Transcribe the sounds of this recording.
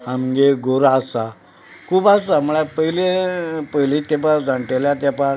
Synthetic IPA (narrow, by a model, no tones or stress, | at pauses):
amɡeɡʱoɾasa | kʰuːbasamuɭapəjilepəjlẽt̪epãd͡zãɳʈeljat̪̬apã